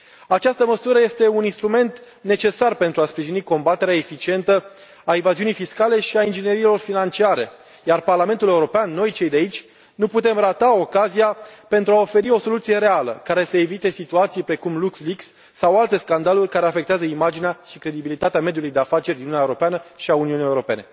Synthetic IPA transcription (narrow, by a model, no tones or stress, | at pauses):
at͡ʃast̪əməsuɾəje̞st̪e̞uninst̪ɾume̞nt̪ | ne̞t͡ʃe̞sarpe̞nt̪ɾuaspɾiʒiniko̞mbat̪e̞ɾeaefit͡ʃie̞nt̪ə | aevaziunijfiskale̞ʃiaind͡ʒineɾiːlo̞rfinant͡ʃiaɾe̞̰ | jarparlame̞nt̪ule̞uɾo̞peanːo̞jt͡ʃe̞jd̪eait͡ʃʲ | nuput̪e̞mrat̪ao̞kazijape̞nt̪ɾuao̞fe̞ɾio̞so̞lut̪sije̞ɾe̞alə̰kaɾe̞səe̞vit̪e̞sit̪uat̪sijpɾe̞kumluksliksː | awalt̪e̞skand̪alurʲkaɾe̞afekt̪eazəimad͡ʒineaʃikɾe̞d̪ibilit̪at̪eamed̪julujd̪eafat͡ʃe̞rʲd̪inuunːjeuɾo̞peanəʃiauniuniaewɾo̞pe̞ne̞